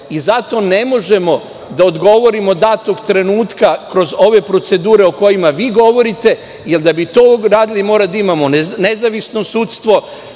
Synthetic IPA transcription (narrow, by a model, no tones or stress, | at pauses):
izat̪o̞ne̞mo̞ʒe̞mo̞ | d̪aod̪ɡo̞ʋo̞ɾimo̞d̪at̪okt̪ɾe̞nuːt̪kakɾo̞zo̞ʋe̞pɾo̞t̪se̞d̪uːɾe̞oko̞jimaʋiːɡo̞ʋo̞ɾit̪e̞ | jeld̪abit̪oːɾaːd̪ilimoːɾad̪aimamo̞ne̞zaʋisno̞suːt̪st̪ʋo̞